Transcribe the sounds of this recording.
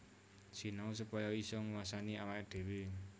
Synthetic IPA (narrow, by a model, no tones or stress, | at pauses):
si̤naus̬upɔjɔisɔŋwasaniawaid̪̥e̤we